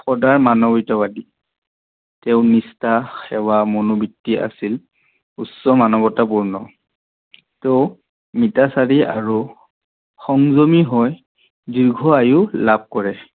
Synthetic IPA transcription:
xɔdaɹmanɔbitɔbadi | tɛʊ̃nistaxɛwamonubitːia̰sil | usːɔmanɔbɔtapuɹnɔ | tɔ | mitasaɹia̰ɹu | xɔŋzomiɦɔj | diɹɡʱɔajʊlab̚kɔɹɛ

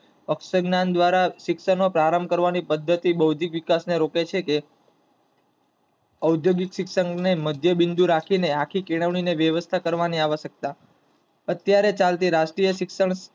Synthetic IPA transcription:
əkʃəɡnand̪ʋaɾaʃɪkʃəɳːopɾaɾəmkəɾʋanipəd̪ʱːət̪ibəʋd̪ikʋɪkasneɾoket͡ʃʰeke | əwd̪joɡikʃɪkʃəŋɡneməd̪ʱjəbɪnd̪uɾakʰineakʰikiɽ̃əʋɳ̃ineʋjəʋəst̪ʰakəɾʋaniaʋəʃək̚t̪a | ət̪jaɾet͡ʃalt̪iɾaʃʈɾijəʃɪkʃəɳ̃s

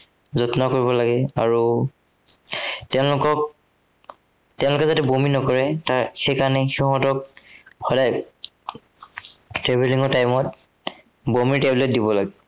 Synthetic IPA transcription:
zɔtnakoɹiβɔlaɡɛa̰ɹu | tɛʊ̃lʊkɔk̚ | tɛʊ̃lʊkɛzatɛbominɔkɔɹɛtaxejkaɹnɛxiɦɔtɔk̚hɔdaj | tɹebeliŋɔɹtajmɔt̚ | bomiɹteblet̚dibɔlaɡɛ

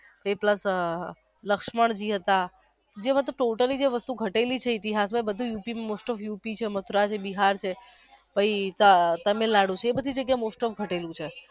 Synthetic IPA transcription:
bəipləs | ləkʃməɳd͡ʒiɦət̪a | d͡ʒemãt̪̬oʈoʈəlid͡ʒeʋəst̪uɡʱəʈelit͡ʃʰeit̪iɦas̬bʱəibəd̪ʱũjupimmosʈəfjupit͡ʃʰemət̪ʰɾat͡ʃʰebiɦaɾt͡ʃʰe | bəit̪ət̪əmelaɽũt͡ʃʰeːbəd̪ʱid͡ʒəɡjamosʈəfɡʱəʈelũt͡ʃʰe

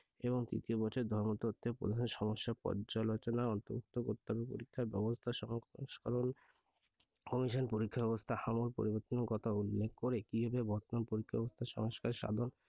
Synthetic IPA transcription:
eβoŋt̪ɾḭt̪iobɔt͡ɕʰoɾd̪ʱɔɾmot̪oot̪ʰːepɾo̰d̪ʱaʃoneʃɔmoʃːapɔ̰ɾd͡ʑalot͡ɕonaɔnt̪oɾuk̚t̪okot̪ːabepo̰ɾikʰːaɾbɛbost̪ʰaʃɔʃkaɾon | kɔmiʃonpoɾikʰːabɛbost̪ʰahamoɾpo̰ɾiboɾt̪onokɔt̪ʰaulːekʰkoɾekibʱabebʱɔɾt̪ononpoɾikʰːabɛbost̪ʰaʃɔ̰ŋoʃkaɾʃa̰d̪ʱon

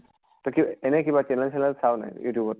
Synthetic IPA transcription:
tɔkiɛnɛkibat͡ʃɛnɛlsʰɛnɛlsʰawna̰jjṵtijubɔt

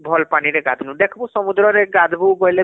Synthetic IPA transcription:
bʱɔlpaɽ̃iɾeɡad̪ʱnud̪ekʰbusɔmud̪ɾɔɾeɡad̪ʱbubɔjle

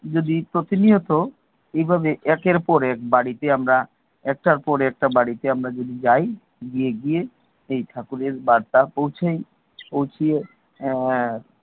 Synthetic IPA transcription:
d͡ʒod̪ipɾot̪iniot̪o | ejbʱabeʔɛkeɾpɔɾɛk̚baɽit̪eamɾa | ɛk̚ʈaɾpɔɾɛk̚ʈabaɽit̪eamɾad͡ʒod̪id͡ʑaj | ɡieɡie | ejʈʰakuɾeɾbaɽt̪apowt͡ʃʰej | powt͡ʃʰie

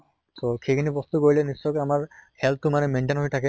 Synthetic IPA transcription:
sokʰekʰinibɔst̪ukoɹilenist͡ʃːɔjkamaɹhɛlt̪ʰumanemeɳʈenɦojt̪ʰake

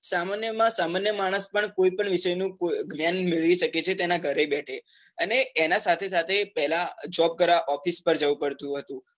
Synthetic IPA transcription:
samanjəmãsamanjəmaɽ̃əspəɳkoipəɳʋɪʃəjnũkoɡnjanmeɭʋiʃəket͡ʃʰet̪enaɡʱəɾebɛʈʰe | əneːnasat̪ʰesat̪ʰepɛɦlad͡ʒɔb̚kəɾaʔɔfispəɾd͡ʒəʋũpəɾt̪ũɦət̪ũ

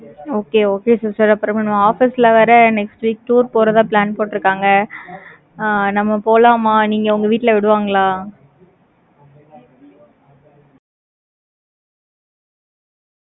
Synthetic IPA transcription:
oːkeːoːkeːsaːɾsaːɾɐpːɾɔ̃nɐmːɐaːfɪsɪlɐʋɐɾɐnɛksʈʋiːk̚ʈuːɾpoːɾɐðãːplaːnpoːʈːɪɾɯkːaːŋɡɐ | nɐmːɐpoːlaːmaːniːŋɡɐʊŋɡɐʋiːʈːɪlɐʋɪɽɯʋaːŋɡɐlaː

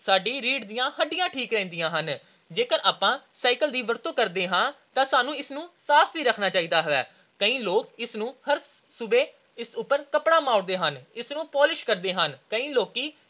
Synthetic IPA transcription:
saːɖiːɾiːɖd̪ɪjãːhəɖɪjãːʈʰiːkɾɛ̃ːnd̪ɪjãːɦən | d͡ʒeːkəɾaːpãːsaːɪkəld̪iːʋəɾt̪õːkəɾd̪eːɦãːt̪ãːsaːnũːɪsnũːsaːpʰbiːɾəkʰnaːt͡ʃaːiːd̪aːɦəʋɛ̰ː | kəĩːloːkɪsnũːhəɾ | sʊbeː | ɪsʊpːəɾkəpɽãːmaːʊɽd̪eːɦənɪsnũːpɔːlɪʃkəɾd̪eːɦənkəĩːloːkiː

